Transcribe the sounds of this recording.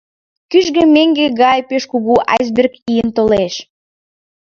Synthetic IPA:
kyʒɣemeŋɡeɣɑjpeʃkuɣuʔɑ̰jzberkijənt̪oleʃ

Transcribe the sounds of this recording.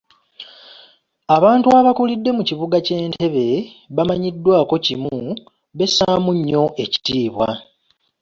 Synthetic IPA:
aβaːntuaβakulidːe̞muciβuɡace̞ːntʰe̞βe̞βamaɲidːwaːko̞cimu | βe̞saːmuɲːo̞ʔe̞ci̥tiːβwa̰

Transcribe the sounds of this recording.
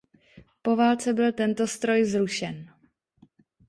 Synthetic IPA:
po̞vaːlt͡sɛbɪlt̪ɛnt̪o̞st̪ɾo̞jzɾuʃɛn

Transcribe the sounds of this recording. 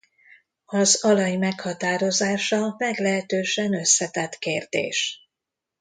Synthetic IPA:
ɒzɒlɒjmɛkhɒt̪aːɾo̞zaːʃɒmɛɡlɛɦɛt̪øːʃɛnø̞sːɛt̪ɛt̪keːrd̪ḛːʃ

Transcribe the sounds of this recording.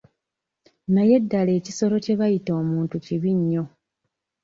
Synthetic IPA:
naje̞dːale̞ːcisolo̞ce̞βajito̞ːmuːntuciβiɲːo̞

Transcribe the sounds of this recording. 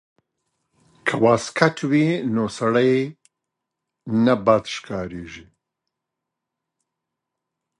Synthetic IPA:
kʰɐwaːskʰɐtʰwiːnoːsɐɽɐj | nɐbaːt̪ʃkʰaːɾiːʒi

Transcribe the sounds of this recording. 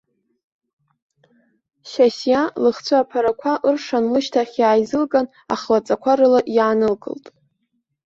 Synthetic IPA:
ʃasjalɨχt͡sʷʰaːpʰaɾakʷʰaʔɨrʂanlɨʃtʰaχʲjaːjzɨlɡʼan | a̰χlat͡sʼakʷʰaɾɨlaʔjaːnɨlɡʼɨ̰ltʼ

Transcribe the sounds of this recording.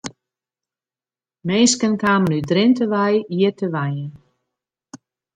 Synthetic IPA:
meːskənkaːmənydrɪntəʋɛjiərtəʋajən

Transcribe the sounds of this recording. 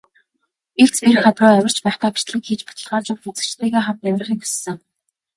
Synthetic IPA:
ekt͡spirχat̪rʊːæwʲɪ̆r̥t͡ɕpæːχt̪aːpi̥t͡ɕt̪ɮɘ̆ŋxiːt͡ɕpḁt̪ə̆ɮʁaːt͡ɕʊwxut͡sɘ̆kt͡ɕt̪eːɣeːχamt̪æmʲrə̆χĭːkxu̥ssːɘ̆ŋ

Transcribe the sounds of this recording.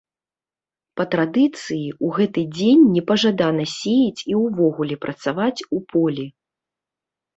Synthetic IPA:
pɐt̪ɾad̪ɨt̪sɨjiuɣɛt̪ɨd͡zʲenʲːɛpɐʐad̪anɐsʲejit͡sʲiwvɔɣulʲɛpɾɐt̪savat͡sʲupʰɔlʲi

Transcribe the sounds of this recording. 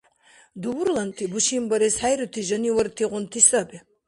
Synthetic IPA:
d̪uwuɾlˠant̪ʰibuʃimbɐɾɛshajɾut̪ʰiʒɐniwɔɾt̪ʰiʁʊnt̪ʰisɐbi

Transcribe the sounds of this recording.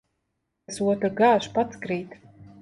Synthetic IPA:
suɔt̪ɾɡaʃpat̪skɾiːt̪

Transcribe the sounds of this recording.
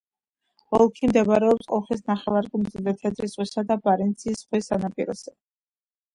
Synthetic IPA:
ɔlˠkʰimd̪ɛbɾɛɔpsqʼɔχis̬naχɛlˠaɾɡumzid̪ɛt̪ʰɛd̪ɾisʁwisad̪abaɾɛnt̪sʰiːsχwisanapʼḭɾɔ̰sɛ

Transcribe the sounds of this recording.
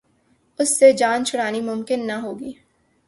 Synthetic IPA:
ʊsːed͡ʒaːnt͡ʃʰʊɽaːnimʊmkɪnːaɦoːɡiː

